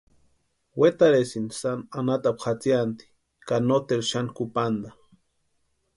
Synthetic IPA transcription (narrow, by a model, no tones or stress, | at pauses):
wet̪aɾesinsananat̪apχat͡sijant̪i̥ | kanot̪elʃankupand̪a